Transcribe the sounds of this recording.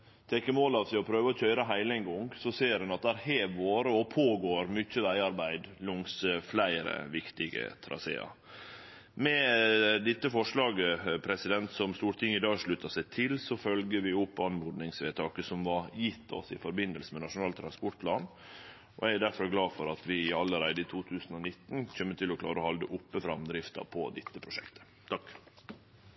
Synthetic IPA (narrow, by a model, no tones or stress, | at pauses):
t̪ʰɛkːəmoːlɑʋsæɪɔpʰɾøːʋəɔc͡çœʏɾəɦæɪlæɪnɡɔŋsɔseːɾhʉnɑt̪̚d̪æːɾheːʋoːɾəɔpʰoːɡoːɾmʏçəʋæɪɑɾbæɪd̪lʊŋsəflæɪɾə̰ʋɪkt̪ɪɡə̰t̪ʰɾɑ̰sḛːɑ̰ | mɛd̪ɪt̪ːəfɔʂlɑːɡəpʰɾɛsɪd̪ɛnt̪sɔmst̪uːɾt̪ʰɪŋːəɪd̪ɑːɡʂɭʉt̪ɑsæɪt̪ʰɪlsɔfœlɡəʋɪʊpːɑnmɔːd̪nɪŋsʋeːt̪ʰɑːkəsɔmʋɑɾjɪt̪ːɔ̰sɪfɔɾbɪnd̪əlsəmɛnɑʂʊnɑːlt̪ʰɾɑnspɔʈ̚pʰlɑːn | ɔ̰ææɖ̪æɾfɔɾɡlɑːfɔɾɑt̪ʋɪɪɑlːəɾæɪd̪əɪt̪ʰuːt̪ʰʉːsn̩ɔnɪt̪ːn̩çœmːət̪ʰɪlɔkʰlɑːɾəɔhɑld̪əʔʊpːəfɾɑmd̪ɾɪft̪ɑ̰pʰɔ̰d̪ɛt̪ːəpʰɾʊʂɛkt̪ʰə̥ | t̪ʰɑkː